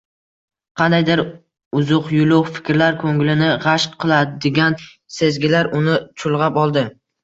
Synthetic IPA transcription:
qʰɑnd̪ajd̪ɪɾ | ʊzʊqjʊlˠʊqfɪ̥kʲɾlaɾkʰoŋlɪnɪʁɑʃqqʰːɨlˠad̪ɪɡʲan | se̞zɡʲɪlaɾʊnɪt͡ʃʰʊlˠʁɑpɒlˠd̪ɪ

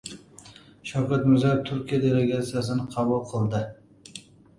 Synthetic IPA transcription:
ʃawkʲʰat̪mʊzaɾɪp̚t̪ʰʊɾkʲʰijad̪eleɡʲat̪sijasɪnɪqʰɑbulˠqʰɨlˠd̪ɪ

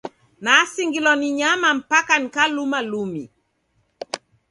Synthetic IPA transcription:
nasiŋɡilɔniɲamam̩pakanikalumalumḭ

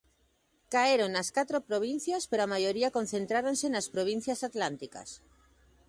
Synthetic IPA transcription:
kaeɾoŋnɐskat̪ɾopɾoβ̞in̟θjɐspeɾoamajoɾiɐkonθẽnt̪ɾaɾonsenɐspɾoβ̞in̟θjɐsat̪lant̪ika̰s

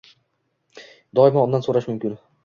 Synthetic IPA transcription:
d̪ɒɪmaɒnd̪ansoɾaʃmʊmkʲɪn

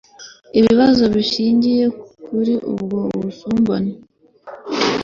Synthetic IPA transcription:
iβiβazo̞βiʃiːɲɟije̞kuɾiʔṵbɡoβuusuːmbone

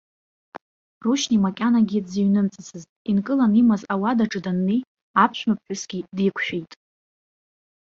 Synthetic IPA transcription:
ruʃnimakʲʼanaɡʲidziɥnɨmt͡sʼɨt͡sʰɨztʼinkʼɨlanimazawadaʈ͡ʂʼɨdanːej | apʰʃᶣmap̚ʰʼħʷᶣʊsɡʲidikʷʰʃᶣejtʼ

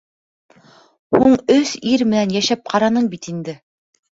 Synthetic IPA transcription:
huɴɵsiɾmɘ̆nænjæʃæp̚qʰɑɾɑnɤɴbit̪ind̪ɘ

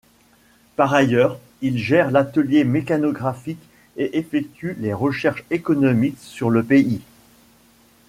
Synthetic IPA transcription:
paʁajœːʁ | ilʒɛʁlat̪əljemekanɔɡʁafik | eʔefɛk̚t̪ɥyleʁəʃɛʁʃekɔnɔmiksyʁləpei

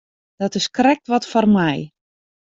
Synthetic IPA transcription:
d̥ɔtɪskrɛk̚tʋɔtfɔrmɛj

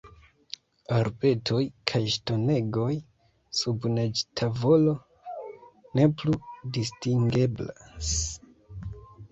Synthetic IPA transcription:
aɾbe̞tʰo̞jkʰajʃto̞ne̞ɡo̞j | subned͡ʒtʰavo̞lo̞ | ne̞pludistiŋɡe̞blas

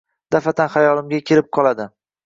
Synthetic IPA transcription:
d̪̥afat̪ʰanχajɒlˠɪmɡʲakʲʰe̞lɪp̚qʰɒlˠad̪ɪ

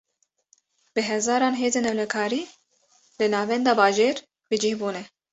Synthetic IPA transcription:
bɨɦɛzɑːɾɑːnɦeːzeːnɛwlɛkʰɑːɾiː | lɨnɑːvɛnd̪ɑːbɑːʒeːɾ | bɨd͡ʒihbuːnɛ

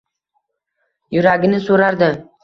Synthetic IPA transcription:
jʊɾaɡʲɪnɪsoɾaɾd̪ɪ

